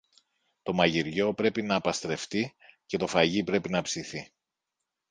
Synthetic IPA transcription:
t̪o̞mɐʝiɾʝo̞pɾe̞pinɐːpɐst̪ɾe̞ft̪ice̞t̪o̞fɐʝipɾe̞pinɐpsiθi

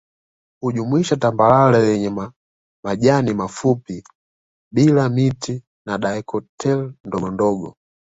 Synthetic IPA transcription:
uʄumwiʃatambalalajɛɲɛma | maʄanimafupi | bilamiti | naɗaɛkɔtʰɛlndɔɔndɔɡɔ

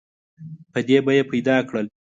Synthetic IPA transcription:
pəd̪ebajepajd̪ɑkɽəl

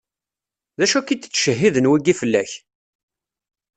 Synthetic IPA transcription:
ðæʃækːit̪ːt͡sːʃəɦːiðənwiɡifəlːæç

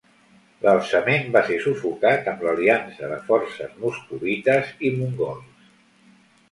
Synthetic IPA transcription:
ləlˠsəmembasesufukat̪əmləliansəðəfɔɾsəzmuskuβit̪əzimuŋɡɔls

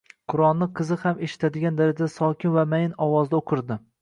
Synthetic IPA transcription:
qʰʊɾɒnːɪqʰɨzɨhameʃɪ̥t̪ʰad̪ɪɡʲand̪aɾad͡ʒad̪asɒkʲɪnvamajɪnɒwɒzd̪aoqʰɨɾd̪ɪ

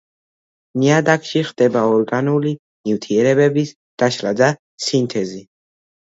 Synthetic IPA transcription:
niad̪akʰʃiχd̪̥ɛbaɔɾɡanuli | niwt̪ʰiɛɾɛbɛbis | d̪̥aʃɾad̪a | sint̪ʰɛzi

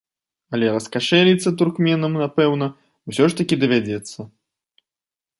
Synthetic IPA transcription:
ɐlʲɛɾɐskaʂɛlʲit̪sːɐt̪̬urkmʲɛnɐmnapɛwnɐ | wsʲɔʂt̪ɐkʲid̪ɐvʲad͡zʲɛt̪sːɐ

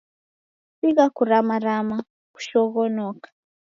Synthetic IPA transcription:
siɣakuɾamaɾama | ku̥ʃɔɣɔnokḁ

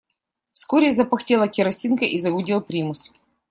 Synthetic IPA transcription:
fskoɾʲɪzɐpɐxtʲelˠɐkʲɪɾɐsʲinkɐʔizɐɡʊdʲilˠpɾʲimʊskʲ

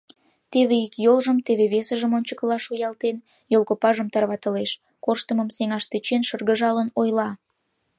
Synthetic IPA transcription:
t̪eβeikjolʒəmt̪eβeβesəʒəmonʲt͡ɕəkəlɑʃujɑlt̪en | jolˠkopɑʒəmt̪ɑrβɑt̪əleʃ | koʃt̪əməmseŋɑʃt̪et͡ɕenʃərɣəʒɑlənojlɑ

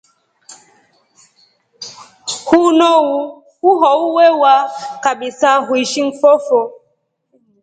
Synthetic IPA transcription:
hunɔwu | huɦɔuwɛwakaɓisaɦuiʃiŋ̩fɔfɔ

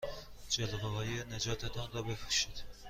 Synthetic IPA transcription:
d͡ʒelʁeɦɒːjened͡ʒɒːt̪ʰet̪ʰɒnrɒbefɾu̥ʃid̪̥

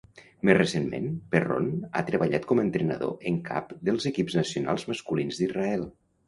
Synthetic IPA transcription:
mezrəsenmḛnpero̰na̰t̪ɾəβəʎat̪̚kɔməːnt̪ɾənə̰ðo̰ʔəŋkʰa̰pd̪əlˠzəkipznəsiuna̰lˠzməskulinzðiraɛlˠ

